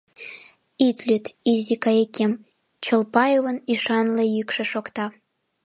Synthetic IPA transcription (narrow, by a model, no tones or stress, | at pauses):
it̪lʲyt̪izikɑekʲem | t͡ɕə̆lpɑjovə̆niʃɑnlĕjykʃĕʃokt̪ɑ